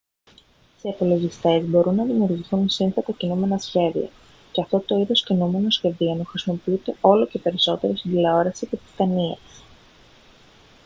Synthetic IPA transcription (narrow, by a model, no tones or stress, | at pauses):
seːpolo̞ʝist̪e̞zbo̞ɾunːɐðimiuːɾʝiθunsinθet̪ɐcinume̞nɐsçe̞ðḭɐ̰ | ceɐft̪o̞t̪o̞iðo̞scinume̞no̞sçe̞ðionuxɾisimo̞piut̪e̞o̞lo̞ce̞pe̞ɾiso̞t̪e̞ɾost̪id̪ileo̞ɾɐsice̞t̪i̥st̪ɐniɐs